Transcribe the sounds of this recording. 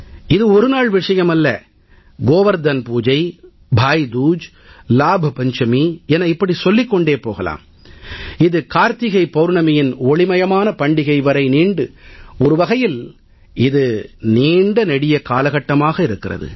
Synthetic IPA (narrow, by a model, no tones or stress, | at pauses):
ɪðɯɔɾɯnaːɭʋɪʂɐjɐmɐlːɐ̰ | ɡoːʋɐɾd̪ɐnpuːd͡ʒɐɪ | bʱaːjd̪uːd͡ʒ | laːbʱɐpɐɲt͡ʃɐmiɛnɐɪpːɐɽisɔlːɪkːɔɳɖeːpoːɣɐla̰ːm | ɪðɯkaːɾt̪ɪɣɐɪpɐɾɳɐmɐjɪnoːɭɪmɐjɐmaːnɐpɐɳɖɪɣɐɪʋɐɾɐɪniːɳɖɯɔɾɯʋɐɣɐjɪl | ɪðɯniːɳɖɐnɛɽɪjɐkaːlɐɣɐʈːɐmaːɣɐɪɾɯkːɪrɐ̰ðɯ̰